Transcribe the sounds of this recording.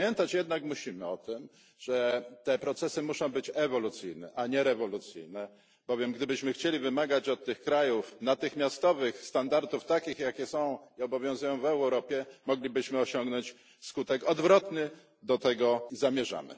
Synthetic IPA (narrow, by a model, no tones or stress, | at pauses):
mʲjɛnt̪at͡ɕjɛd̪nakmuɕimɘɔt̪ɘm | ʐ̥ɛt̪ɛpɾɔt̪sɛsɘmuʂɔ̃w̃bɘt͡ɕɛvɔlut̪sɘjnɛ̰ʔaɲɛɾɛvɔlut̪sɘ̰jnɛ | b̥ɔvʲjɛmɡd̪ɘbɘɕmɘxt͡ɕelʲivɘmaɡat͡ɕɔt̪ːɘxkɾajufnat̪ɘxmʲjast̪ɔvɘxst̪and̪aɾt̪uft̪akʲixjakʲɛsɔ̃w̃iɔbɔvʲjɔ̃w̃zujɔ̃w̃vɛwɾɔpʲjɛmɔɡlʲibɘɕmɘɔɕɔŋɡnɔɲt͡ɕ | skut̪ɛkɔd̪vɾɔt̪nɘ | d̪ɔt̪ɛɡɔzamʲjɛʐa̰mɘ̰